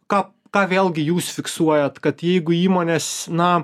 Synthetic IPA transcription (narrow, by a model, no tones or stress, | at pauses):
kɑːp | kɑːʋʲeːlˠʲɡʲɪjuːsfʲɪksuɔjɛt̪kɐt̪jɛɪɡʊiːmoːnʲeːsnɐ